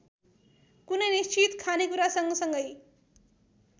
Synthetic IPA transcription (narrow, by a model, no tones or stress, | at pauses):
kunəjnist͡ʃit̪kʰanekuɾasʌŋɡʌsʌŋɡʌj